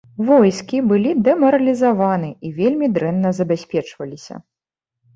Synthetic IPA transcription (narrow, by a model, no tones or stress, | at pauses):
vɔjskʲibɨlʲid̪ɛmɐɾɐlʲizavanɨivʲelʲmʲid̪ɾɛnːɐzɐbʲasʲpʲɛt͡ʂvɐlʲisʲɐ̰